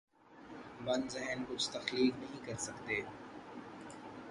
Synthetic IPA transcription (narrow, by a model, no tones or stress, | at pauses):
bɐ̃nd̪zɛɦənkʊt͡ʃʰt̪ɐxliːknɐɦĩkɐɾsɐkt̪eː